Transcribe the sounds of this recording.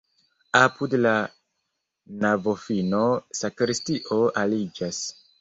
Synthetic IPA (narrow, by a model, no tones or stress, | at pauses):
apʰudla | navofinosakɾistiʔoʔalid͡ʒas